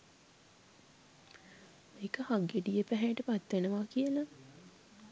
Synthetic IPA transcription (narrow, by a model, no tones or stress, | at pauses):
meːkəhaɡeɖijəpæɦæjʈəpat̪ʋenəʋakijəla